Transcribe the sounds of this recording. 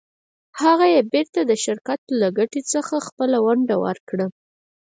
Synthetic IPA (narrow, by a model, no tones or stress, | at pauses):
haɣajebeɾt̪ad̪əʃɪɾkat̪laɡaʈit͡səxaxpəlawaɳɖawə̰ɾkɽə